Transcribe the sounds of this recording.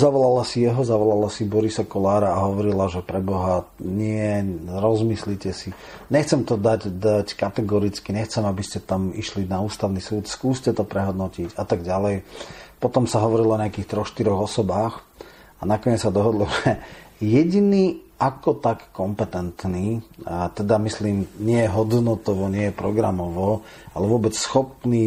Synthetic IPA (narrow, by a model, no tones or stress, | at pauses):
zaʋɔlalasijɛɦɔzaʋɔlalasibɔɾisakɔlaːɾaːɦɔʋɔɾilaʒɛpɾɛbɔɦaɲɪɛɾɔzmislicɛsi | ɲɛxt͡sɛmt̪ɔd̪aɟd̪ackat̪ɛɡɔɾit͡skiɲɛxt͡sɛmabiscɛt̪amiʃlinauːst̪aʊnisuːt̪skuːscɛt̪ɔpɾɛɦɔd̪nɔciɟat̪aɡɟalɛjpɔt̪ɔmsaɦɔʋɔɾilɔɔɲɪakiːxt̪ɾɔxʃt̪iɾɔɣɔsɔbaːx | anakɔɲɛt͡ssad̪ɔɦɔd̪lɔʒɛjɛɟiniːʔakɔt̪akːɔmpɛt̪ɛnt̪niːt̪ɛd̪amisliːmɲɪɛjɛɦɔd̪nɔt̪ɔʋɔɲɪɛjɛpɾɔɡɾa̰mɔʋɔ | alɛʋʊɔbɛt͡ssxɔpniː